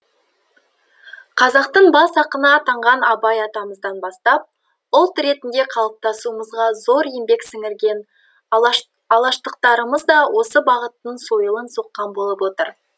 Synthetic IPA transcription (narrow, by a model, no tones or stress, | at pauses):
qʰɑzɑqt̪əɴbɑsɑqənɑt̪ʰɑɴʁɑnɑbɑjɑt̪ɑməzd̪ɑnbɑst̪ɑp̚ | ʊlˠt̪ɾe̞t̪ɪnd̪e̞qʰɑlˠəp̚t̪ɑsuəməzʁɑzo̞ɾembe̞ksɪŋɪɾɡʲe̞n | ɑlˠɑʃt̪əqt̪ɑɾəməzd̪ɑwʔo̞səbɑʁət̪ːənso̞jəlˠənsoqːɑnbo̞lˠəpwo̞t̪əɾ